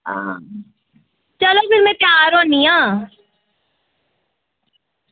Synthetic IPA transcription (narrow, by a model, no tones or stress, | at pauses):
ãː | t͡ʃəloːpɪɾmɛ̃ːpjaːɾɦõːniːãː